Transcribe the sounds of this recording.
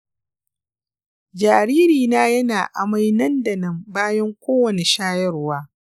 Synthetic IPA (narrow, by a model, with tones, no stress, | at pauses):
d͡ʒaː˨ɾiː˦ɾiː˨naː˦jɐ˦naː˨ʔa̰˨ma˦jnɐ˦nda˨nɐ˦mbaː˦jɐ˦ŋkʷoː˦wɐ˨ne˨ʃaː˦jɐ˦rwaː˦